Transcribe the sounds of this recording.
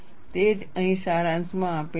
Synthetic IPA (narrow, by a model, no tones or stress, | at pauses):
t̪ed͡ʒəɦĩʃaɾãnsmãːpe